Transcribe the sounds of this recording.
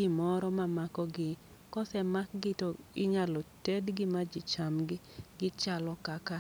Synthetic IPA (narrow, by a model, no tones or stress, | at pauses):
ɪmɔɾɔmamakɔɡɪ | kɔsɛmak̚ɡɪtoɪɲalɔtedɡɪmad͡ʒɪt͡ʃamɡɪɡɪt͡ʃalɔkaka